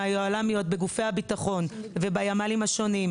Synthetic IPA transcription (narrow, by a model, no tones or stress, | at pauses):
ajoalamijo̞t̪̚beɡufejhabit̪aχo̞nve̞bajamalimhaʃo̞nim